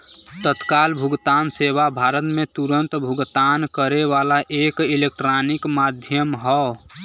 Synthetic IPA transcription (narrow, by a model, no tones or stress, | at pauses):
t̪ət̪kalbʱʊɡt̪anseʋabʱaːɾət̪mẽt̪uɾənt̪bʱuɡt̪ankəɾeʋalaʔekilek̚ʈɾanikmad̪ʱjəmɦɔ